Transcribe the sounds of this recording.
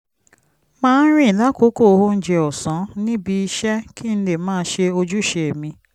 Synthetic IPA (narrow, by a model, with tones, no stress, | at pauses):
mãː˦n̩˦ɾ̃ĩ˦i˨la˦ko˦ko˦˨˧ɦo˦n̩˦d͡ʒe˧ɔ˨sɔ̃˨˦nĩ˦bi˧i˧ʃɛ˦ki˦n̩˦le˨mãː˦ʃe˧o˧d͡ʒu˦ʃe˨e˨mĩ˧